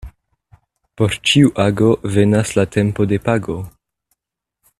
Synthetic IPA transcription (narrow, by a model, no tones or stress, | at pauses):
po̞ɾt͡ʃiuʔaɡo̞ve̞naslate̞mpo̞de̞paɡo̞